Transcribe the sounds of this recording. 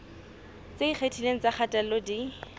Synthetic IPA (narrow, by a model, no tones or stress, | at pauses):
t͡seik͡xʰetʰileŋ̩t͡sak͡xʰatʼalodi